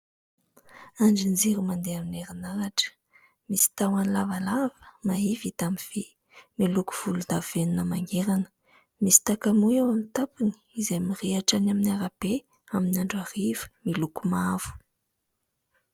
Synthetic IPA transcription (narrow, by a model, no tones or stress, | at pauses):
aɳd͡ʒind͡ziɾumand̪eamineɾinaɾaʈ͡ʂə̥ | misi̥t̪awanlavalavə̥maivit̪amiv̥e | miluku̥v̥ulud̪aveninəmaŋeɾanə̥ | misi̥t̪akamujawamit̪apuni̥izajmiriaʈ͡ʂanaminaɾab̥e | aminiaɳɖ͡ʐarivə̥milukumav̥u̥